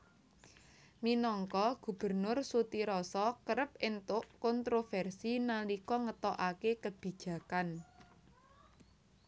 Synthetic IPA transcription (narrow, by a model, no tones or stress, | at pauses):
minɔŋkɔɡ̥ṳb̥ə̤rnʊrsut̪iɾɔsɔkəɾəp̚ɪnt̪ʊʔkɔnt̪ɾofɛrsinalikɔŋət̪ɔʔakekəb̥i̤̥ʒ̥ä̤kan